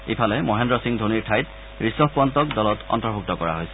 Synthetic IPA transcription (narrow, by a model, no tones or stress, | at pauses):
ipʰalɛmɔɦendɹɔsiŋdʱuniɹtʰajt | ɹisɔpɔntɔkdɔlɔtɔ̰ntɔɹbʱuk̚tɔkɔɹa̰ɦojsɛ